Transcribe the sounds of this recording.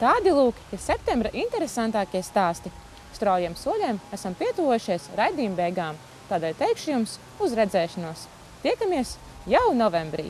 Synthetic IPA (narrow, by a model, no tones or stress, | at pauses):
t̪aːd̪ilˠuːkʲi̥ɾsɛp̚t̪ẽmbɾaʔint̪ɛɾesant̪aːkʲiɛst̪aːst̪i | st̪ɾawjɛɛmsuɔlʲɛmæsampʲiɛt̪uvɔjuʃiɛsɾajd̪iːmbɛjɡaːm | t̪aːd̪ɛːlʲt̪ɛjkʃujums | uzɾɛd̪zɛːʃanuɔs | t̪iɛkamiɛs | jawnɔvɛ̃mbɾḭː